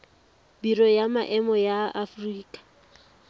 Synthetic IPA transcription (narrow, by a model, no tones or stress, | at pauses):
birɔjamaʔɛmɔjaafriːkʼḁ